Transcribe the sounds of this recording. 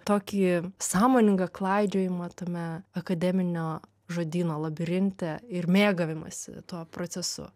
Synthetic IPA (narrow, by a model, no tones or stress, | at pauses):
t̪oːkʲiːsɑːmoːnʲɪŋɡɐklˠɐɪd͡ʒʲoːjɪmɐt̪oːmʲɛɐkɐd̪ʲɛmʲɪnʲoː | ʒoːd̪ʲiːnoːlˠɐbʲɪɾʲɪnʲt̪ʲɛɪɾmʲeːɡɐʋʲɪmɐ̰sʲɪ̰t̪uɔpɾoːsʲɛsʊ̰